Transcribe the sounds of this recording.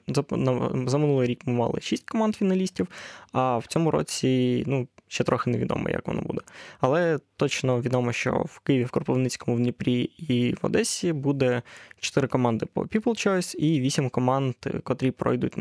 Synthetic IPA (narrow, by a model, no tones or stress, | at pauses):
zɐnɐzɐmɪnulˠɪjɾʲikmɪmɑ̰lˠɪ̰ʃisʲtʲkɔmɑnd̪fʲinɐlʲisʲtʲiwɐw̥t͡sʲɔmʊɾɔ̰t͡sʲinuʃt͡ʃːɛt̪ɾɔxɪneʋʲid̪ɔ̰mɔ̰jɐ̰kʋɔ̰nɔ̰bṵd̪ɛɐlˠɛt̪ɔt͡ʃnɔʋʲid̪ɔmɔʃt͡ʃɔ̰wkɪjɪʋʲiwkɔrpɔʋnɪt͡sʲkɔmʊwnʲipɾʲiiʋɔ̰d̪ɛsʲibud̪ɛt͡ʃɔ̥t̪ɪɾɪkɔmɑnd̪ɪpɔ̰pʲiplˠt͡ʃɔsʲiʋʲisʲimʲkɔmɑnd̪kɔt̪ɾʲipɾɔ̰jd̪utʲ